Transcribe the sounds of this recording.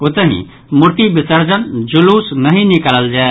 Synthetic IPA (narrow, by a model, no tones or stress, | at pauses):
ʊt̪əɦḭ̃ | muɾt̪ibisəɾd͡ʒənd͡ʒulusnəɦĩnikələld͡ʒae